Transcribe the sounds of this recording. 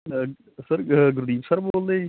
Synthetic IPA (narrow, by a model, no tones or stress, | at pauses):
sɐɾɡʊɾd̪iːmsɐɾboːld̪e